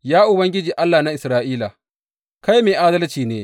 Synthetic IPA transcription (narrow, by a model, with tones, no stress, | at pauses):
jaː˦ʔʊ˨bɐ˦ŋɡʲɪ˦d͡ʒiː˨ʔa˦lːaː˨na˦ʔɪ˨sɾaː˦ʔiː˦la˨ | ka˦jmeː˨ʔaː˦dɐ˦lt͡ʃiː˨neː˦